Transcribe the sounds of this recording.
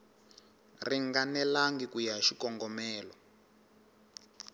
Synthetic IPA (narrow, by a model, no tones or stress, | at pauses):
riŋɡanɛlaŋɡikujaʃikɔŋɡɔmɛːlɔ